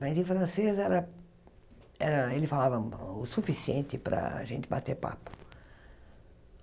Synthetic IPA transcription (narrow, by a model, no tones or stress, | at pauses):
mɐjzẽfɾɐ̃sezɛɾɐ | ɛɾɐelɪfalavɐʊsufisiẽnt̪ɪpɾɐ̰a̰ʒẽnt͡ʃ̪ɪbat̪eɾpa̰pʊ̥